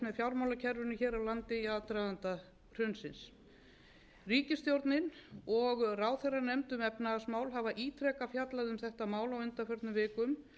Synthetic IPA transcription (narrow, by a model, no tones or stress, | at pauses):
mɛðfjawɾmawlacʰɛɾvʏnɪçɛːɾawlant̪ɪiaðt̪ɾajðant̪a | r̥ʏnsɪns | riːcɪst̪jowɾt̪nɪnɔɣraːwθɛrːanɛmt̪ʏmɛpnaasmaːwlɦavaʔiːt̪ʰɾɛːkafjat̪laðʏmθɛht̪amaːwlawʏnt̪afœɾt̪nʏvɪːkʏm